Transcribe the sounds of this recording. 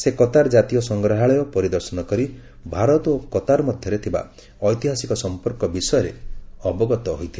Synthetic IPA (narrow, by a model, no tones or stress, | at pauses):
sekɔt̪aɾd͡ʒat̪iɔsɔŋɡɾaɦaɭɔjɔpɔɾid̪ɔɾsɔnɔkɔɾi | bʱaɾɔt̪okɔt̪aɾɔmɔd̪ʱjɔɾet̪ʰiba̰ | ɔjt̪iɦasikɔsɔmpɔɾkɔbisɔjɔɾeɔbɔɡɔt̪ɔɦojt̪ʰi